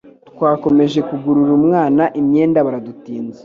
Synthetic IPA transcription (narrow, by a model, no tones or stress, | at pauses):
tkwaːko̞me̞ʒe̞kuɡuɾuɾumŋaːnaʔimɲe̞ːndaβaɾadutiːnze